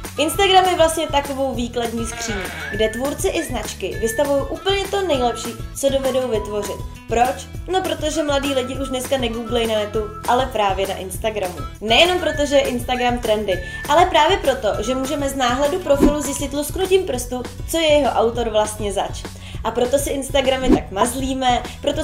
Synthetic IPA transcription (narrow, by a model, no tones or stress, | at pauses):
ʔɪnst̪aɡɾamjɛvlast̪ɲɛt̪ako̞vo̞wviːkladɲiːskr̝̥iːɲḭɡdɛt̪vuɾt͡sɪʔɪznat͡ʃkɪvɪst̪avujowʔuːpl̩ɲɛt̪o̞nɛjlɛpʃiːt͡so̞do̞vɛdo̞wvɪt̪vo̞r̝ɪt̪̚ | pɾo̞t͡ʃno̞pɾo̞t̪o̞ʒɛmladiːlɪɟɪʔuʒdnɛskanɛɡuːɡlɛjnanɛt̪uʔalɛpɾaːvjɛna̰ʔɪnst̪aɡɾamṵnɛjɛno̞mpɾot̪oʒɛjɛʔɪnst̪aɡɾamt̪ɾɛndɪ | ʔalɛpɾaːvjɛpɾo̞t̪o̞ʒɛmuːʒɛmɛznaːɦlɛdupɾo̞fɪluzjɪscɪt̪lusknucimpɾ̩st̪ut͡so̞jɛjɛɦo̞ʔawt̪o̞ɾvlast̪ɲɛzat͡ʃ | ʔapɾo̞t̪o̞sɪʔɪnst̪aɡɾamɪt̪akmazliːmɛpɾo̞t̪o